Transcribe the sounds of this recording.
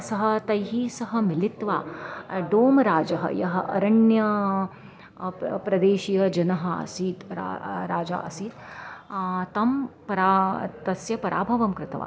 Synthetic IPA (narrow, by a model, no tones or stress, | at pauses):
sɐɦɐ̆t̪ɐjɦiːsɐɦɐ̆milit̪ʋaːɖoːmɾaːd͡ʒɐɦɐ̰jɐɦɐʔɐɾɐɳjɐ | pɾɐd̪eːʃiːjɐd͡ʒɐnɐɦɐɐ̰siːt̪ɾ̰ɾaːd͡ʒa̰ːʔɐsiːt̪ | t̪ɐmpɐɾat̪ɐsjɐpɐɾʔa̰ːbʱɐʋɐmkɾɪt̪ɐʋa̰ː